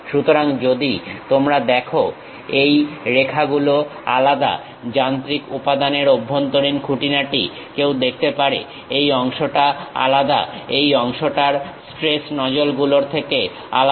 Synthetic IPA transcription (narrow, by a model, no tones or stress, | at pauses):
ʃut̪oɾaŋd͡ʑod̪it̪omɾad̪ɛkʰo | ejɾekʰaɡuloa̰lad̪a̰ | d͡ʑant̪ɾikupad̪aneɾobʱːont̪oɾinkʰuʈinaʈḭ | kewd̪ek̚ʰt̪epaɾḛ | ejɔŋʃoʈaa̰lad̪a̰ejɔŋʃoʈaɾsʈɾesnɔd͡ʑolɡuloɾt̪ʰeke | a̰l